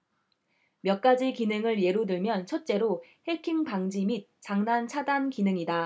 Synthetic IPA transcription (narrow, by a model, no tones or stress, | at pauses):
mjʌk̚k͈ad͡ʑikinɯŋɯɭje̞ɾudɯɭmjʌnt͡ɕʰʌt̚t͡ɕ͈e̞ɾohe̞kʰiŋpaŋd͡ʑimit̚t͡ɕ͈aŋnant͡ɕʰadankinɯŋida